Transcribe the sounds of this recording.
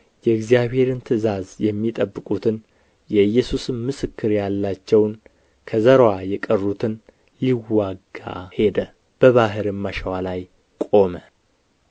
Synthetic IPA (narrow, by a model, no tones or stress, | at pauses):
jɛɨɡzijaβhe̞ɾɨnt̪ʰɨzazjɛmːit̪ʼəbːɨkʼut̪ʰɨn | jɛɨjːɛsusɨmmɨsɨkːɨɾjalːat͡ʃːɛwn | kʰəzəɾwajɛkʼərːut̪ʰɨn | liwːaɡa̰he̞d̪ə | b̥əβaɦɨɾɨməʃəwalaj | kʼo̞mə